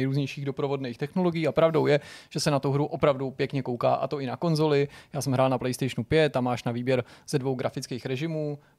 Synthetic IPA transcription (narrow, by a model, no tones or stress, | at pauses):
jɾuːzɲɛjʃiːɣdo̞pɾo̞vo̞dnejxt̪ɛxno̞lo̞ɡɪjiːapɾavdo̞wjɛʒ̥ɛsɛnat̪uɦɾuʔo̞pɾavdupjɛkɲɛko̞wka̰ːʔa̰t̪o̞ɪnako̞nzo̞lɪjaːsɛmɦɾaːlnaplɛjst̪ɛjʃnupjɛt̪̚ːamaːʃnaviːbjɛɾz̥ɛdvo̞wɡɾafɪt͡skeːxɾɛʒɪmuː